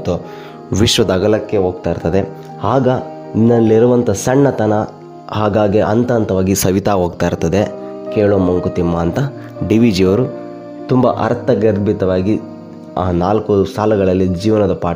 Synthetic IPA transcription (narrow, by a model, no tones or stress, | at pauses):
t̪o | ʋiʂʋɐd̪ɐɡɐlɐkːe̞ɦoːɡt̪aːiɾt̪ɐd̪e̞ | aːɡɐ | nːɐlːiɾuʋɐnt̪ʰɐsɐɳːɐt̪ɐnɐ | haːɡaːɡiʔɐnt̪ɐɐnt̪ɐʋaːɡisɐʋit̪aːɦoːɡ̚t̪aːɾt̪ːɐd̪e̞ | keːɭoːmuŋkut̪imːaːnt̪ɐ | ɖiʋid͡ʒijɐʋɐɾu | t̪umbɐ̰ʔɐ̰ɾt̪ɐɡɐd̪bit̪ɐʋaːɡi | aːnaːlkusaːlɐɡɐɭɐlːid͡ʒiːʋɐnɐd̪ɐpaː